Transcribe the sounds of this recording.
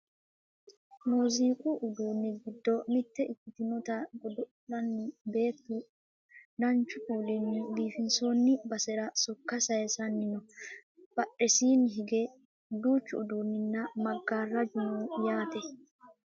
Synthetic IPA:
noːziːkʼʊʔʊd̪uːnːɪɡɪd̪ːɔmɪt̪ːɛʔɪkʼːɪt̪ɪnɔt̪ɐɡɔd̪ɔɗɐnːɪbe̞ːt̪ːʊ | d̪ɐnt͡ʃːʊkʼuːlɛnːɪbiːfɪnso̞ːnːɪbɐsɛɾɐsɔkːɐsɐjɛsɐnːɪnɔ | b̥ɐɗɛsiːnɦɪɡɛ | d̪uːt͡ʃːʊːd̪uːnːɪnːɐmɐɡːaːrːɐd͡ʒʊnuːjaːt̪ɛ

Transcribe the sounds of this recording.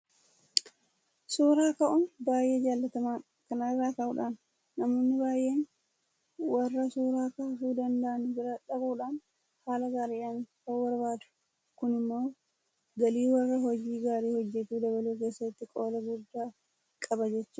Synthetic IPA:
suːɾaːkɐʔʊnbaːje̞ːd͡ʒaːlːɐt̪ɐmaː | kɐnɐrːaːkɐʔʊᶑaːnː | ɐmoːnːɪbaːjʔe̞ːn | wɐrːɐsuːɾaːkaːfuːd̪ɐnd̪ɐʔɐnʊbɪɾɐᶑɐbuːᶑaːn | haːlɐɡaːɾiːʔaːnkɐwɐɾbaːd̪ʊ̥ | kʊnɪmːo̞ː | ɡɐliːwɐrːɐɦɔd͡ʒiːɡaːɾiːhɔd͡ʒːɛt̪uːd̪ɐβɐleːke̞ːsːɐt̪ːɪkʼoːlɐɡʊd̪ːaː | kʼɐbɐd͡ʒɛt͡ʃːɐ

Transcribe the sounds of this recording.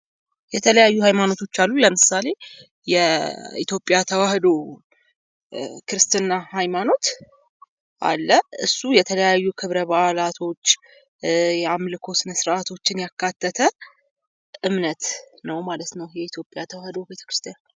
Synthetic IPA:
jɛt̪ʰələjajːuhajmano̞t̪ʰo̞t͡ʃːalːuləmɨsale̞ | jɛit̪jo̞pʼːjat̪ʰəwahd̪o | kʰɨɾɨst̪ʰɨnːahajmano̞t̪ | ʔa̰lːəɨsːujɛt̪ʰələjajːukʰɨβɾəbaʔlat̪ʰo̞t͡ʃː | jɛamlɨkʰo̞sɨnəsɾʔat̪ʰo̞t͡ʃːɪnjakːat̪ʰːət̪ʰə | ʔɨmnət̪ | nəwmalət̪nəwjɛit̪ʰjo̞pʼːjat̪ʰəwahd̪o̞be̞t̪ʰə̥kɾɨst̪ʰijan

